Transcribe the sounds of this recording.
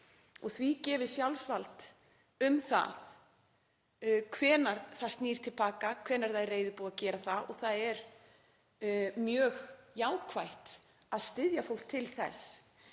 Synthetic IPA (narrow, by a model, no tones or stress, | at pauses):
ɔɣθvicɛːvɪ̥sjawlsvalt̪ | ʏmθa̰ð | kʰvɛːnaɾ̥θḁst̪niːɾ̥t̪ʰɪlpaːkakʰvɛːnaɾ̥θaðrːejðʏpuːaðcɛːɾaθaɔ̰ɣθaðɛɾ | mjœːɣjaːwkʰvajht̪ | aðst̪ɪðjafowl̥kt̪ʰːɪlθɛ̰s